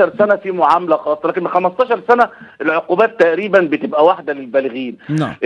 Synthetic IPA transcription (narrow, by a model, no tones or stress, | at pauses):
ɑɾˤsænæfiːmoʕamælæxɑːsˤːɑlæːkenxæmæst̪ˤɑːʃɑɾˤsænæʔelʕoquːbæːt̪ːæʔɾiːbænbet̪ebʔæwaħd̪ælelbæːlɪɣiːn̰ʔ